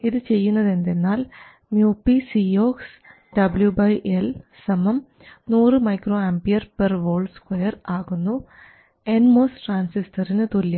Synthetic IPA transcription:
iðɨt͡ɕe̞jːunːɐðe̞nd̪e̞nːaːl | mjuːpːisioːks | ɖɐbljubɐjʔelsɐmɐm | nuːrɨmɐjkroːambijɐrperʋo̞ːɭɖskwɐjɐraːɣunːu | e̞nmoːsʈraːnsistʰɐrinɨt̪olːɐ

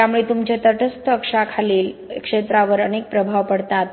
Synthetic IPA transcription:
jamuɭet̪umt͡ɕet̪əʈʰəst̪əkʂakʰaliːlkʂet̪ɾaʋəɾənek̚pɾəbʱaʋpəɽt̪at̪

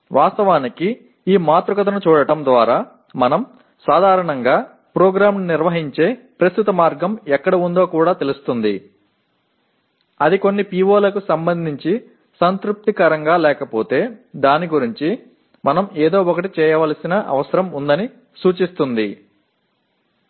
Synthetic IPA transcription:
ʋʔaːst̪ɐʋaːniki | iːmaːt̪ɾukɐt̪ɐnut͡ʃuːɽɐʈɐmd̪ʋaːɾaː | mɐnɐm | saːd̪ʱaːɾɐɳɐŋɡaː | pɾoːɡɾaːmniɾʋɐɦiɲt͡ʃe̞ːpɾɐst̪ut̪ɐmaːɾɡɐmɛkːɐɽɐund̪o̞ːkuːɽaːt̪e̞lust̪und̪ḭ | ɐd̪iko̞nːipiːʋoːlɐkusɐmbɐnd̪ʱiɲt͡ʃi | sɐnt̪ɾup̚t̪ikɐɾɐŋɡaːlɛːkɐpo̞ːt̪e̞ːd̪aːniɡuɾiɲt͡ʃi | mɐnɐmeːd̪o̞ːɔkɐʈ̬it͡ʃɛːjɐʋaːlɐsinɐʔɐ̰ʋɐsɐɾɐmund̪ɐni | suːt͡ʃist̪und̪i

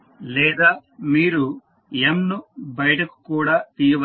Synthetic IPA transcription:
lɛːd̪aːmiːɾu | emnubɐjɐʈɐku̥kuːɽaːt̪iːjɐʋɐ

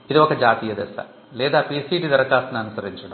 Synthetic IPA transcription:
iðuokːed͡ʑaːt̪ijɐd̪esɐ̰ | leːd̪aːpiːsiʈːid̪ɐɾɐkːaːsɐnɐnusɐɾit͡ɕːuɽɐ

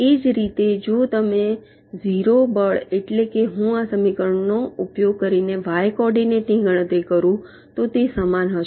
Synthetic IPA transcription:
ed͡ʒɾit̪ed͡ʒot̪əme | ziɾobəɭeʈlekeɦũasəmikəɾəɳnoupjoɡ̚kəɾineʋajkɔɾɖineʈnĩɡʱəɽ̃ət̪ɾikəɾũ | t̪ot̪esamanɦəʃ

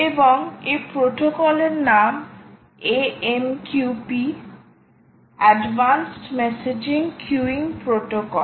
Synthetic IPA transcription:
ebɔŋepɾoʈokɔleɾnam | eemkjupi | ɛɖbansʈmɛsed͡ʑiŋkʰjuiŋpɾoʈokɔl

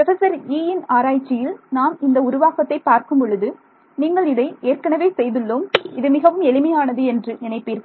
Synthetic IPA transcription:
pɾɐsɐsɐɾiːɪnaːɾaːjt͡ʃːɪjɪlnaːmɪnd̪ɐʊɾʊʋaːɣɐt̪ːɐɪpaːɾkɯmpɔɻɯðɯ | niːŋɡɐɭɪðɐɪeːɾkɐɳɐʋeːsɛjðɯɭːoːmɪðɯmɪɣɐʋɯmɛɭɪmɐjaːnɐðɯɛndrɯnɪnɐɪpːiːɾ

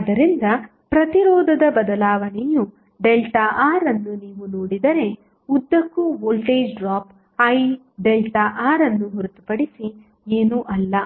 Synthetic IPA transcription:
d̪ɐɾind̪ɐ | pɾɐt̪iɾɔːd̪ʱɐd̪ɐbɐd̪ɐlaːʋɐɳɛju | ɖelʈɐʔaːɾɐnːuniːʋunoːɽid̪ɐɾe̞ | ud̪ːɐkːuʋoːlʈeːd͡ʒɖɾaːp | ɐj | ɖelʈɐʔaːɾɐnːuɦuɾut̪u̥pɐɽisi | eːnuʔɐlːɐ

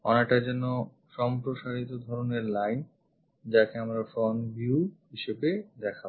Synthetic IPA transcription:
ɔ̰nek̚ʈad͡ʑɛnːo | ʃɔmpɾoʃaɾit̪od̪ʱɔɾoneɾlajn | d͡ʑakeamɾafonbjuɦiʃebed̪ɛkʰa

